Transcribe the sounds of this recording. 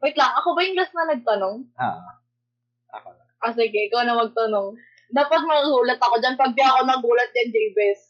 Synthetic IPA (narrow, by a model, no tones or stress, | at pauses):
mɐjt̪laʔɐkobɐjʊŋlɐsnɐnɐɡ̚t̪ɐnoŋ̰ː | ʔas̬ɪɡɛʔɪkawnɐmɐɡ̚t̪ɐnoŋ | d̪aːpɐt̪̚mɐŋɐɡuːlɐt̪ɐko̞d͡ʒanpɐɡ̚baɐkonɐɡuːlɐt̪̚jɐŋd͡ʒejbɛs